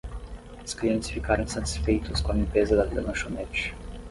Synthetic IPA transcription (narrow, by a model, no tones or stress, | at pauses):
ʊskliɐ̃nt͡ʃɪsfikaɾɐ̃w̃sɐt͡ʃ̪i̥sfejt̪ʊskõɐlĩpezɐd̪ɐvid̪ɐ̰mɐʃonɛt͡ʃ